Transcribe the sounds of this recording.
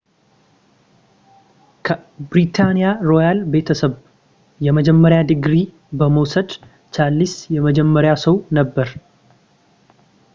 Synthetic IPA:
kʰəbɾit̪ʰanijaɾo̞jalbe̞t̪ʰəsəβ | jɛməd͡ʒɛmːəɾjad̪ɨɡɾi | bəməwsəd̪ | t͡ʃalːisjɛməd͡ʒɛmːəɾjasəwnəbːəɾ

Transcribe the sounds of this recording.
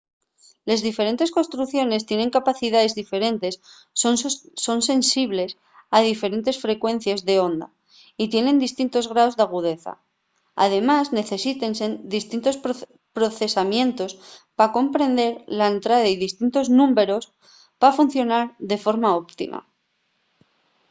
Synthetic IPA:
lezðife̞ɾe̞nt̪e̞sko̞nst̪ɾuθjo̞ne̞st̪je̞ne̞ŋkapaθiðaðe̞zðife̞ɾe̞nt̪e̞s | oso̞nse̞nsiβle̞s | aðife̞ɾe̞nt̪e̞sfɾe̞kwe̞n̟θjazðe̞o̞nd̪a̰ | it̪je̞nẽ̞nd̪ist̪int̪o̞zɣ̞ɾao̞zðaɣ̞uðe̞θa̰ | a̰ðe̞mazne̞θe̞sit̪e̞nsend̪ist̪int̪o̞sp | pɾo̞θe̞samjẽ̞nt̪o̞spako̞mpɾe̞nd̪e̞ɾlaent̪ɾaðaiðist̪int̪o̞znũmbe̞ɾo̞s | pafun̟θjo̞naɾðe̞fo̞ɾmao̞pt̪ḭma̰

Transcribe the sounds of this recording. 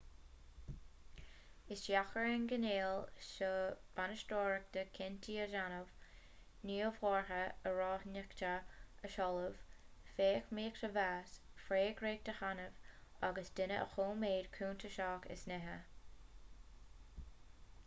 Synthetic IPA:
ɪsjaxəɹɪnɡəneːlʃəb̥anəʃtoːɹək̚d̪̥əkʰɪntʰiːəʒanəv | niːəvwɔːɹhəəɹɑːhnɪktəəʃɔləv̥feːkmiːkt̪ʰəvaːs | fɾeːɡɾeːk̚d̥̪əxanəvaɡəsd̪ɪnəʔə̰xoːmeːdkʰuːnt̪ʰəʃɑːkɪ̰snɛɦə

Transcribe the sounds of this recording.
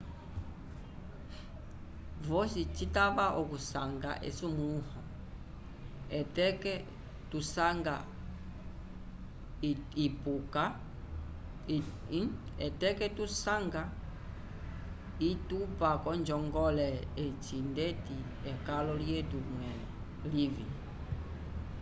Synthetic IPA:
vɔsit͡ʃitaβaʔɔkusaŋɡa̰ʔɛ̰sumuuhɔ | ɛtɛkɛ | tusaŋɡa | ipuka | ɛtɛkɛtusaŋɡa | itupakɔnd͡ʒɔŋɡɔlɛɛt͡ʃindɛti | ɛkalɔljɛtumwɛlɛ̰ | livḭ

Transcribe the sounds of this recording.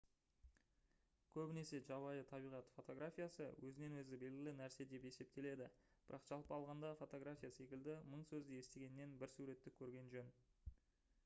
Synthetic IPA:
kʲʰɵbɪne̞se̞ʒɑbɑjət̪ʰɑbijʁɑt̪fo̞t̪o̞ɡɾafʲijasə̰wɵzɪne̞nwɵzɪbe̞lɡʲɪlɪnæɾse̞d̪e̞pe̞se̞p̚t̪e̞le̞d̪ɪb̥ɪ̰ɾʔɑqʒ̥ɑlˠpəɑlˠʁɑnd̪ɑfo̞t̪o̞ɡɾafʲijase̞kʲɪld̪ɪməɴsɵzd̪eje̞st̪e̞ɡʲe̞nːe̞nbɪɾsuɾe̞t̪ːɪkʲʰɵɾɡʲe̞nʒɵn

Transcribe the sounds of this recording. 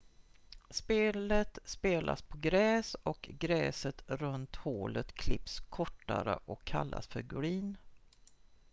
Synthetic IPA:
speːlət̪speːlʔa̰spʰɔɡɾɛːsɔkɡɾɛːsət̪ɾɵnt̪hoːlət̪kʰlɪpskʰɔʈːaɾəʔɔkʰːalːa̰sfœɾɡɵɾiːn

